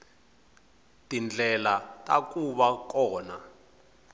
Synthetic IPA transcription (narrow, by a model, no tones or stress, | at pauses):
tʼind͡ɮʱɛlatʼa̰kʼuɓak̬ʼɔːna